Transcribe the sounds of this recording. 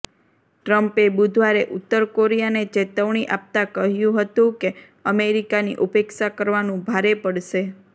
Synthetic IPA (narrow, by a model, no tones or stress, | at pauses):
ʈɾəmpebud̪ʱʋaɾeʔʊt̪ːəɾkoɾijanet͡ʃet̪əʋɳ̃iʔap̚t̪akəɦjũɦət̪ũke | əmeɾikanḭʔupekʃakəɾʋanũbʱaɾepəɽʃe